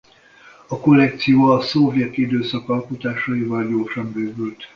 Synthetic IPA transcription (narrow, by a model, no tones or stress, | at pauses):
ɒko̞lɛk̚t̪sijoːɒsovjɛt̪id̪øːsɒkɒlkut̪aːʃɒivɒlɟoːrʃɒmbøːɡylt̪